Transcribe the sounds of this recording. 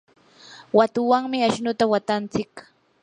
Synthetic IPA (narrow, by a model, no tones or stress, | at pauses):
wat̪ʊwaŋmɪaʃnʊt̪awat̪ant͡sɪk